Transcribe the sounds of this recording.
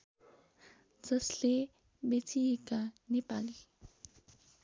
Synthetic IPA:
d͡zʌsle | bet͡sʰiekanepali

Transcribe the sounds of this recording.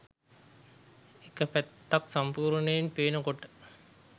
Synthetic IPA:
ekəpæt̪ːaksampuːɾnejinpeːnəkoʈə̥

